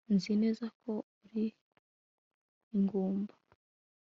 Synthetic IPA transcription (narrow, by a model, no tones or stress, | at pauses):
nzine̞ːzakʰo̞uɾi | ŋɡuːmbḁ